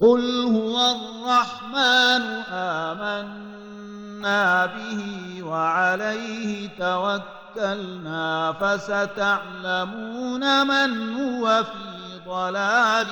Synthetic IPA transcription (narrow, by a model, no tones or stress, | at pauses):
qʊlhʊwarːɑħmaːnʊʔaːmanː | aːbɪhi | waʕalajhɪt̪awakːalnaːfasat̪aʕlamuːnamanhʊwafiː | d̪ˤɑlaːlɪ